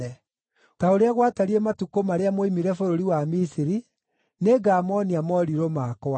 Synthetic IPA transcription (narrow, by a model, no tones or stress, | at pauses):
ɛ | taoɾeaɣwataɾiematukomaɾeamoimiɾɛfoɾoɾiwamisiɾi | neɡamɔniamɔɾiɾomakɔa